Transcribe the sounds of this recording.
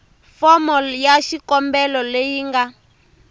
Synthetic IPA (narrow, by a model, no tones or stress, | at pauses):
fɔmɔljaʃikɔmbɛlɔlejiːŋɡa